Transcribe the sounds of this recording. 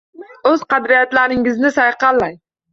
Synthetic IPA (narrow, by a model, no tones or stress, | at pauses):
ɵz̥qɑd̪ɾijɑt̪læɾɪŋɪznɪsɑjqɑlˠːɑj